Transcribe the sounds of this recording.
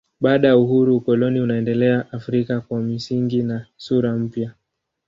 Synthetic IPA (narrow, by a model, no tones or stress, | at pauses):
ɓaːɗajauhuɾuːkɔlɔniunaɛndɛlɛaʔafɾikakwamisiŋɡinasuɾam̩pja